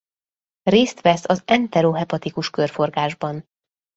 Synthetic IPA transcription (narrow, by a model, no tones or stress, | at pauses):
reːst̪ʋɛsɒzɛnt̪ɛɾoɦɛpɒt̪ikuʃkørfo̞rɡaːʒbɒn